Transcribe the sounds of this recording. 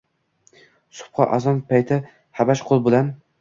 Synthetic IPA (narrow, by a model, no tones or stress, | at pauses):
sʊ̥p̚qʰɑ̰ʔazɒnpʰajt̪ʰɪ | habaʃqʰolˠbolan